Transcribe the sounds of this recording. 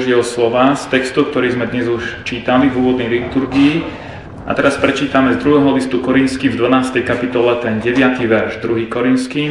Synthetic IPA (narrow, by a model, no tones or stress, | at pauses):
ʒɪɛlslɔʋaːst̪ɛkst̪uk̚t̪ɔɾiːzmɛd̪ɲɛzuʃt͡ʃiːt̪alivuːʋɔd̪nɛjlit̪uɾɡiː | ʔa̰t̪ɛɾaspɾɛt͡ʃiːt̪amɛzd̪ɾuɦɛːɦɔlist̪ukɔɾinskiːmvd̪ʋanaːst̪ɛjkapit̪ɔlɛt̪ɛnɟɛʋɪat̪iʋɛɾʒd̪ɾuɦiːkɔɾint̪ski